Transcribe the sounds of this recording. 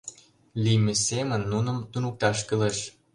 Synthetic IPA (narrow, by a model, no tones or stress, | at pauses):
limesemə̆nːunə̆mt̪unuk̚t̪ɑʃkɤleʃ